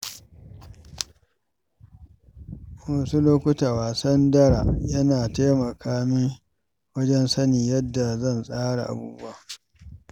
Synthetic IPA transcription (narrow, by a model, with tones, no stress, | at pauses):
ma˨su˦loː˦kʷʊ˦taː˨waː˨sɐ˦ndɐ˦ɽa̰˨jɐ˦naː˨ta˦mɐ˨kʰaː˦mi˦ | wɐ˦d͡ʒɛ˦nsɐ˦niː˨jɐ˦dːa˨zɐ˦˨nsʼaː˦ɽa˨ʔa̰˨buː˦bʊ˦a˨